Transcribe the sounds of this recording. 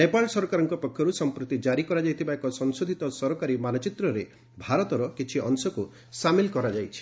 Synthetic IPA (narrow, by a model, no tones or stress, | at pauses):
nepalsɔɾɔkaɾɔŋkɔpɔkʰjɔɾusɔmpɾut̪id͡ʒaɾikɔɾad͡ʒajt̪ʰibaekɔsɔŋsod̪ʱit̪ɔsɔɾɔkaɾimanɔt͡ʃit̪ɾɔɾe | bʱaɾɔt̪ɔɾɔkit͡ʃʰiʔɔnsɔku | samilkɔɾad͡ʒajt͡ʃʰi̥